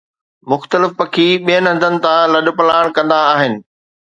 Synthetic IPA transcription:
mʊxt̪əlɪfpɐkʰiɓijənɐ̃nd̪ənɪ̆t̪ãlɐɗ̆pɐlaːɪɽ̃kɐ̃nd̪aːɦɪnɪ̆

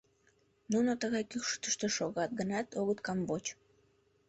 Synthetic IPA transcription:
nunot̪əɣɑjkykʃt̪əʃt̪oʃoɣɑt̪̚ɡənɑt̪oɣət̪̚kɑmbot͡ɕ

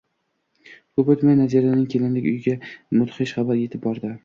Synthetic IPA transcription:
kʰɵpot̪majnad͡ʒaɾanɪŋkʲʰelɪnd̪ɪkʲʊ̰jɪɡʲamʊt̪χeʃχɑbaɾje̞t̪ʰɪp̚bɒɾd̪ɪ

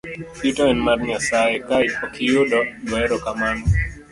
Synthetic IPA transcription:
pitoɛnmarɲasaekaiɔkɪjodɔbɔɛɾɔkaman

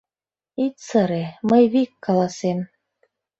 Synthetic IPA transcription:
it̪ʲsɤɾemɤjβikːɑlˠɑsem

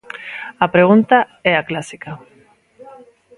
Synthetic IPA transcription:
apɾeɣ̞ũnt̪a | ɛaklasika

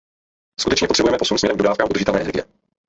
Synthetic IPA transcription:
skut̪ɛt͡ʃɲɛpot̪r̥ɛbujɛmɛpo̞sunsmɲɛɾɛmɡdodaːfkaːmʔud̪rʒɪt̪ɛlnɛːʔɛnɛɾɡɪ̰jɛ̰

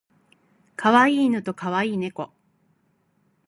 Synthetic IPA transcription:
kʰaβaiːno̞t̪o̞kaβaiːne̞ko̞

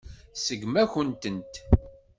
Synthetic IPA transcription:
səɡmæçənt̪ənt̪

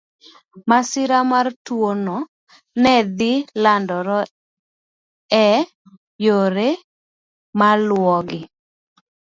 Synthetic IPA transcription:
masɪɾamartwonɔ | nɛd̪ɪlandɔɾɔ | ɛ | joɾe | malwɔɡɪ

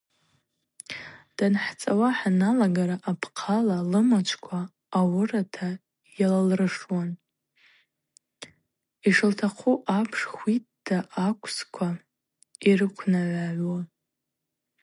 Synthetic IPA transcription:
d̥anħt͡sʼawaħanalaɡaɾaʔapʰqʰalalɨmat͡ʃʷʰkʷʰaː | wʊratʰa | jalalrɨʂwan | iʂɨltʰaχʷʰuʔapʰʂχʷit̚ʰd̥aʔakʷʰʼskʷʰa | irɨkʷʰnaʕʷaʕʷwa

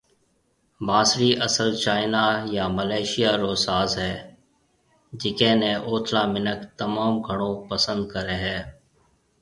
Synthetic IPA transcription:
baːsɾiːʔəsəlt͡ʃaːɪnaːjaːməleːʃɪjaːɾoːsaːzɦɛː | d͡ʒɪkẽːneːʔoːt̪ʰlaːmɪnəkt̪əmaːmɡʱəɽ̃õːpəsə̃nd̪̚kəɾeːɦɛː

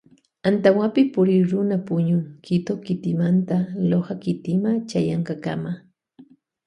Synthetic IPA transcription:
ant̪awapɪpʊɾɪɾɾʊnapʊɲʊŋkɪt̪okɪt̪ɪmant̪alohakɪt̪ɪmat͡ʃajaɴkaka̰maː

